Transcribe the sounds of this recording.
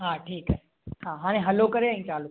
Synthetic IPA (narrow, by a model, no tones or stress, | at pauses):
ɦãːʈʰiːkəe | ɦãːɦãːɽ̃ẽɦɐlokəɾeə̃ĩːt͡ʃaːlu